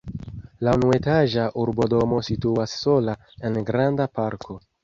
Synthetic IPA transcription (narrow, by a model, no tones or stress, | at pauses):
launue̞taʒaʔuɾbo̞do̞mo̞situasːo̞la | e̞nɡɾandapaɾkʰo̞